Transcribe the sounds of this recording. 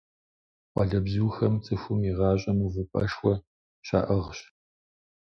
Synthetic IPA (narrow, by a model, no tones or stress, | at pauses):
qʷɑ̰ɮɐbzuːxɐmt͡sʼɨxʷʊmiʁɑːɕʷʼɐmuvɨpʼɐ̰ʂwʷɔ | ɕa̰ːʔɐʁɕ